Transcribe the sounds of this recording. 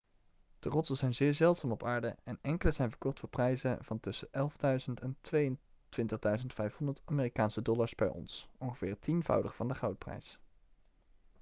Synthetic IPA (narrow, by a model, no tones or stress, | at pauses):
d̥ərɔtəz̥ɛjnzɪːɹzɛlˠtsaːmɔpaːɹdə̰ɛnɛŋkələz̥ɛjnvəɹkɔχtfʊːɹprɛjzəvɑntɵsəʔɛlˠvdœɥzəntɛntʋejən | tʋɪntəχdœɥzəntfɛjfɔndətaːmɪːrikaːnsədɔlaɹzbɛ̰jʔɔ̰nsɔŋχəv̥ɪ̰ːɹtʰinvɑ̰wdəχfɑndəχɑwt̚prɛ̰js